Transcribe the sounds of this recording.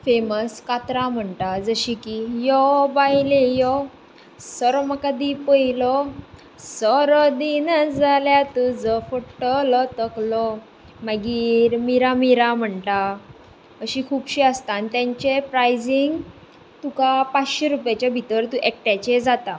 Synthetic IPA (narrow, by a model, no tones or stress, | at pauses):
feməskat̪ɾam̤əɳt̪ad͡zəɕikijɔbajlejɔ | sɔɾɔməkad̪ipəilɔ | sɔɾɔd̪inəd͡zaljat̪ud͡zəfoʈəlɔt̪əklɔ | məɡiːɾmiɾamiɾam̤əɳʈ̪a | əɕikʰuːpɕiəst̪ant̪jãɲt͡ɕepɾajd͡ziŋɡ | t̪ukapat͡sɕeɾupjat͡ɕjabʱit̪əɾt̪ũʔɛk̚ʈjat͡ɕed͡zat̪a